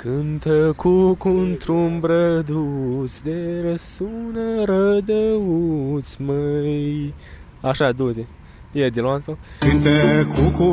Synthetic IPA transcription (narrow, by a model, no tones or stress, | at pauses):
kɨnt̪əkʰukunt̪ɾumbɾəd̪usd̪eɾəsunəɾəd̪əusməj | aʃad̪ut̪e | jed̪iloansokɨnt̪əkuku